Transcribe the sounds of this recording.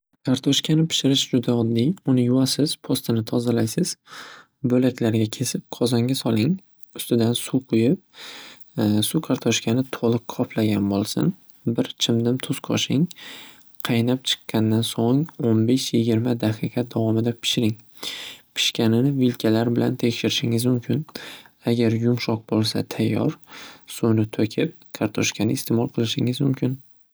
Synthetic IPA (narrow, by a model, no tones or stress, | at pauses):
kʰaɾt̪ʰɒʃkʲʰanɪpʰɪ̥ʃɪɾɪʃd͡ʒʊd̪aɒd̪ːijʊnɪjʊwasɪz̥pʰost̪ʰɪnɪt̪ʰɒzalajsɪz̥ | bɵlakʲlaɾɡʲakʲʰe̞sɪp̚qʰɒzaŋɡʲasɒlˠɪŋ | ʊst̪ɪd̪ansuqʰʊjɪp̚ | sukʰaɾt̪ʰɒʃkʲʰanɪt̪ʰolˠɨqqʰɒpʰlaɡʲanbolˠsɪ̰n | bɪɾt͡ʃʰɪmd̪ɪmt̪ʰʊsqʰɒ̰ʃɪŋ | qʰɑjnap̚t͡ʃʰɨ̥qːɑnːansoŋonbe̞ʃjɪɡʲɪɾmad̪aqʰɨqɑd̪avɒmɪd̪apʰɪ̥ʃɪɾɪŋ | pʰɪ̥ʃkʲanɪnɪvɪlkʲʰalaɾbɪla̰nt̪ʰekʲʃɪɾɪʃɪŋɪzmʊmkʲʰɪnaɡʲaɾjʊmʃɒq̚bolˠsa̰t̪ʰajːɒ̰ɾsunɪt̪ʰokʲʰɪp̚kʰaɾt̪ʰɒʃkʲʰanɪːst̪ʰemɒlˠqʰɨlˠɪʃɪŋɪzmʊmkʲɪn